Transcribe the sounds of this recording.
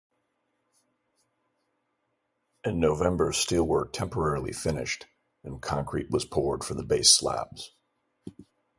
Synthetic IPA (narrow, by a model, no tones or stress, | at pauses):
ɨ̃nːoʊvɛ̃mbə˞stɪlˠwə˞tʰɛ̃mpə˞ɛɹl̩ˠḭfɪnɪ̰ʃt | ɨ̃nkʰɑ̃ŋkʰɹḭʔ̚wʌz̥pʰɔɹd̥fə˞ðəbeɪslæ̰bz̥